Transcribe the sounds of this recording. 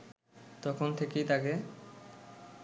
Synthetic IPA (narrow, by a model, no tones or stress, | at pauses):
t̪ɔkʰont̪ʰekejt̪ake